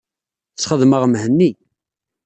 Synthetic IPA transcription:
θt͡sːχəðməʁmhənːi

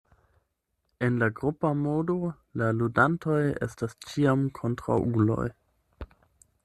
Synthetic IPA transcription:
e̞nlaɡɾupamodo̞ | laludanto̞je̞̰stast͡ʃiamkʰo̞ntɾa̰wʔulo̞̰j

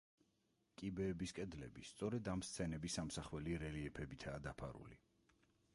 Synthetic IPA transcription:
kʼibɛːbiskʼɛd̪lɛ̰bist̪sʼɔɾɛd̪amst̪sʰɛnɛbisamsaχwɛliɾɛliɛpʰɛbit̪ʰaːd̪apʰa̰ɾṵli

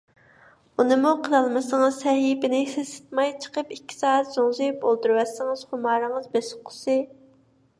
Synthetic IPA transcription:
unɨmuqʰəlɑlˠmɨsɨŋəzsɛɦipɪnɪsesɪ̥t̪̚mɑjt͡ʃʰə̥qəpikʲːi̥sɑːɛt̪zoŋsɨpolˠt̪uɾwɛsːɨŋɨz̥χʊmɑːɾɨŋəzbesɪ̥qʰːʊ̥sɨ

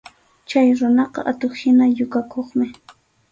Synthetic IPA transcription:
t͡ʃajɾʊnɑqɑ̰ʔat̪oχhɪnajʊkakʰoχmɪ

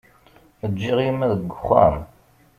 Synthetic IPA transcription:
əd͡ʒːiʁimæðəɡʷːʊχæ̰m

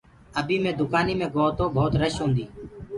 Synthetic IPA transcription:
əbʱiːmẽːd̪ʊkaːniːmẽːɡoːɦt̪oːbʱoːt̪ɾəʃɦõːnd̪iː

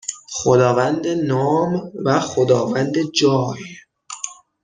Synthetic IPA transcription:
xod̪ɒːvænd̪enɒːmvæxod̪ɒːvænd̪ed͡ʒɒːj

